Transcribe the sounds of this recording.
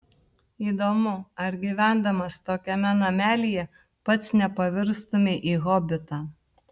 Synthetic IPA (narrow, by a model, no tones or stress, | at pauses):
iːd̪oːmʊɐɾɡʲiʋʲæˑnd̪ɐmɐst̪oːkʲɛmʲɛnɐmʲæːlʲijɛ | pɐt̪snʲɛpɐʋʲɪɾst̪omʲeʔiːɣɔbʲɪt̪ɑː